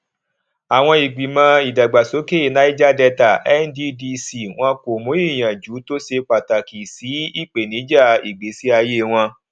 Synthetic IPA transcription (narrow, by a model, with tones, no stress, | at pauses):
a˨w̃ɔ̃˧i˨ɡ͡bi˨mã˧i˨da˨ɡ͡ba˨so˨˦ke˦˨na˦i˦d͡ʒa˦dɛ˧ta˨ɛ˦n˦di˦di˧si˧˨w̃ɔ̃˧ko˨mõ˨˦i˦˨j̃ã˨d͡ʒu˨˦to˦se˧k͡pa˨ta˨ki˨si˨˦i˦˨k͡pe˨nĩ˨˦d͡ʒa˦˨i˨ɡ͡be˨˦si˨˦a˧je˦w̃ɔ̃˧